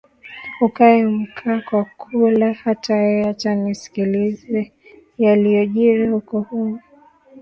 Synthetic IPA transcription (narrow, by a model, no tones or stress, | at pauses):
ukaɛm̩kʰakwakʰulahatajɛjat͡ʃanisi̥kilizɛ | jalijɔʄiɾihukɔhu